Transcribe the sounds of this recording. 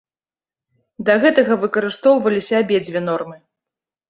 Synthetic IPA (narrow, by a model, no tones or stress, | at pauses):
d̪ɐɣɛt̪ɐɣɐvɨkɐɾɨst̪ɔwvɐlʲisʲɐabʲed͡zʲvʲɛnɔrmɨ